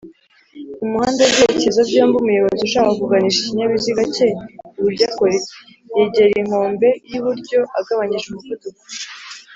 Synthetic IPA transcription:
umuhaːndebɟeːecezavjaːmbumujoβaziuʃakaakuɡaniʃiciɲaβiziɡaceβuɾjɟaːkoɾike | jeɟeɾiŋ̥ho̞ːmbe̞jiβuɾɟo̞ʔaɡaβaɲiʒumututu

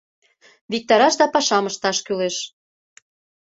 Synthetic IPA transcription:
βik̚t̪ɑɾɑʃd̪ɑpɑʃɑməʃt̪ɑʃkyleʃ

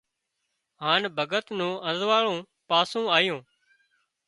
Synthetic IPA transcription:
ɦaːnbʱəɡət̪nũːʔə̃zʋaːɭõː | paːsũːaːjõː

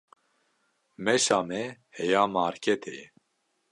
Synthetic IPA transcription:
mɛʃaːmɛhɛjaːmaːɾkʰɛt̪ʰɛjɛ

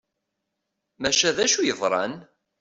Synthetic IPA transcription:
mæʃæðæʃujəvˤɾˤɑ̰n

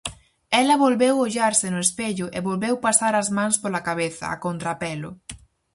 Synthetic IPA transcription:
ɛlɐβolβewoʎaɾsɪnʊespeʎʊʔeβolβewpasaɾɐzmãnspolɐkaβeθɐ̰a̰kont̪ɾapɛlʊ̰

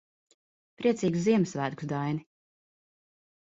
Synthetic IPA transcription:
pɾiɛsiːɡuziɛmsvæːd̪kusd̪ajni

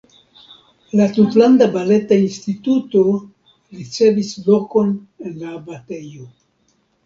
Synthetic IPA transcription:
latutlandabale̞tainstituto̞ | ɾit͡se̞visloko̞n | enlabatejo

